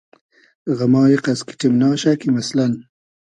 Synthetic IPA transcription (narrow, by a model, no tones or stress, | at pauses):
ɣamɑːjiqaski̥ʈimnɑːʃakimaslan